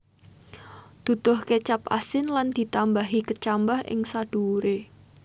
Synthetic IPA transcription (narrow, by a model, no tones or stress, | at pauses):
d̪̥ṳt̪ʊhket͡ʃapa̰sɪnland̪̥i̤t̪ambaɦikət͡ʃambahʔɪ̰ŋsad̥uɾe